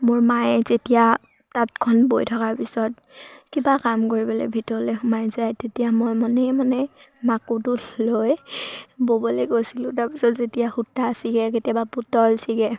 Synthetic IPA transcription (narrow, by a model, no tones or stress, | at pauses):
mʊɹmajzetija | tatkʰɔnbojtʰɔkaɹpisɔt | kibakamkoɹibɔlɛ̰bʱitɔɹlɛxʊmajzajtetijamɔjmanɛmanɛ | makutʊloj | bobɔlɛkojsilʊ̃taɹpisɔtzetiaxutːasiɡɛketjabaputɔlsiɡɛ